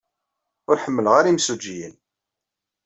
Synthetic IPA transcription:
ʊɾħəmːəlʁaɾimsud͡ʒːijən

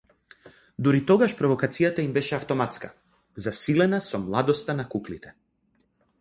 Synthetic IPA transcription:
d̪uɾit̪ɔɡaʃpɾɔvɔkat̪sijat̪aimbɛʃɛaft̪ɔmat̪ska̰ | zasilɛnasɔmlˠad̪ɔst̪anakuklit̪ɛ̥

